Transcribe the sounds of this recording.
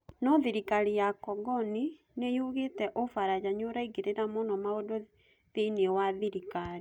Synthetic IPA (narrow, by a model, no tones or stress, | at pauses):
nɔðiɾikaɾijakɔɡɔni | nejuɣetɛʔofaɾad͡ʒaɲoɾaiɡeɾeɾamonɔmaodo | ðinewaðiɾikaɾi